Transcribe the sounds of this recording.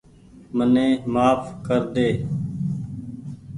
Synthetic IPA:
mənẽːmaːfkəɾd̪eː

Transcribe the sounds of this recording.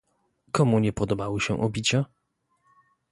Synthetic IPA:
kɔmuɲɛpɔd̪ɔbawɘɕɛ̰ʔɔ̰bʲit͡ɕa

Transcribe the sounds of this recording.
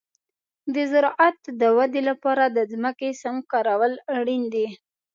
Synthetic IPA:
d̪əzaɾɑʔat̪d̪əwad̪elapɑɾad̪əzməkesamkɑɾawəlaɽind̪i

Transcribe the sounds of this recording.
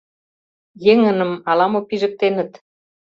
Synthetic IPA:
jeŋə̆nə̆mɑlɑmopiʒə̆k̚t̪enə̆t̪

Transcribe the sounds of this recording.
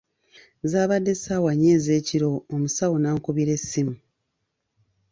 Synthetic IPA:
zaːβadːe̞saːwaɲːe̞ːze̞ːciɾo̞ːmusawonaːŋkuβiɾe̞sːimu

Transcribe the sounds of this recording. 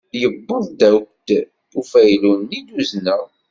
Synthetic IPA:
jəbːəðˤd̪æwk̚d̪̥ | ufæjlunːid̪uznæ

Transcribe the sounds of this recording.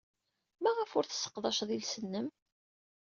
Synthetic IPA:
mæʁəfʊɾθə̥sə̥qðˤɑʃðˤilsənːəm

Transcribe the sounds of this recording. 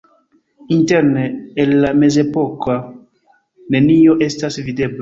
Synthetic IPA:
inte̞ɾneːlːame̞ze̞po̞ka | ne̞nio̞ʔe̞stasvide̞bla

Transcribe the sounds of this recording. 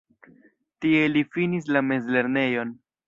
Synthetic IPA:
tie̞lifinis̬lame̞zle̞ɾne̞jo̞n

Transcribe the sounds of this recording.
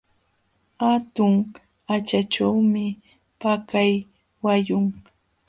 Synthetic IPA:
hat̪ʊŋ | at͡ʃaʈ͡ʂawmɪ | pakaj | wajʊŋ

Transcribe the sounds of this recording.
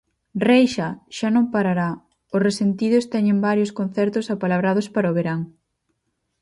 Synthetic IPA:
rejʃaʃanõŋpaɾaɾa | ʊsresent̪iðʊst̪ɛɲeŋbaɾjoskon̟θɛɾt̪ʊsapalaβɾað̞ʊspaɾoβeɾaŋ

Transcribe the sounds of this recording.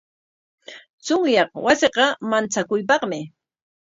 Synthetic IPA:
t͡sʊŋjɑχwasɪqɑmant͡sakʊjpɑχmɪ

